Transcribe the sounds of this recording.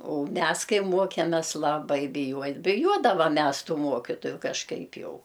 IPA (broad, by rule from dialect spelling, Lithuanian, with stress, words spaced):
oːʊ ˈmʲɛs ˈkɐɪ ˈmuɔkʲɛmʲɛs lˠɐˈbɐɪ bʲɪˈjuɔj bʲɪˈjuɔdɐʋɐm ˈmʲɛs ˈtuː ˈmuɔkʲɪtoːjʊ kɐʃˈkɐɪp ˈjɛʊ